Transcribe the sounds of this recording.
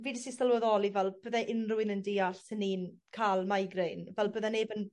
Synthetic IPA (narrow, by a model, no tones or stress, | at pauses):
viːdəsistalˠwəðɔlˠivɛlˠb̥əːðɛʔɪnrʊwɪnəndiːaɬsɪniːnkʰaːlˠmajɡrejnvɛlˠbəːðɛnebən